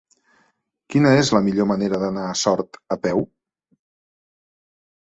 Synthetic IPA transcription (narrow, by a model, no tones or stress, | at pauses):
kinəezləmiʎoməneɾəðənaːsɔɾt̪əpɛw